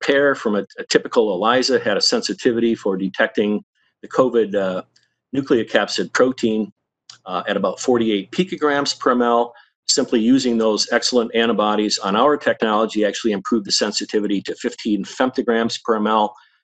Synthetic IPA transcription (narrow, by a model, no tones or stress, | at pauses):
pʰɛɹfɹʌ̃mɨɨtʰɪpɨkl̩ˠəlaɪzɨɨɾɨsɛ̃nsɨtʰɪvɨɾifə˞dɨtʰɛk̚tɪ̃ŋ | ðɨkʰoʊvɪdⁿ | nʉkliɨkʰæpsɨd̚pʰɹ̥oʊtʰĩn | ɨɾɨbaʊtfɔɹɾieɪt̚pʰikɨɡɹæ̃mz̥pʰə˞ɛmɛlˠ | sɪ̃mplijʉzɪ̃ŋðoʊzɛksl̩ˠə̃ntæ̃ɾ̃əbɑɾizn̩aʊə˞tʰɛk̚nɑlˠəd͡ʒiæk̚t͡ʃʉl̩ˠiɨ̃mpʰɹ̥ʉvðɨsɛ̃nsɨtʰɪvɨɾiɾɨfɪftʰĩnfɛ̃mp̚tɨɡɹæ̃mz̥pʰə˞ɛmɛlˠ